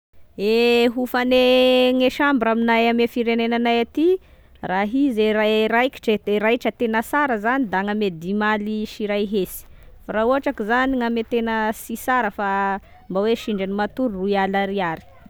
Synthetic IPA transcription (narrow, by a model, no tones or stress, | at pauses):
eɦufaneŋeʃambɾaminajamefiɾenenanajat̪i | raɦizerarajki̥ʈ͡ʂed̪̥eɾajʈ͡ʂət̪enəsaɾəzanid̪aŋamed̪imaliʃiɾajɦesi̥faɾauaʈ͡ʂakizaniŋamet̪enəsisaɾəfa | mbaweʃiɳɖ͡ʐanimat̪uɾrualaɾiaɾi̥